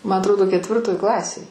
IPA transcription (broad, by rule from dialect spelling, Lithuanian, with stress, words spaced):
mɐ ɐtˈroːdoː kʲɛtʲˈʋʲɪrtoːj ˈklˠɑːsʲeːj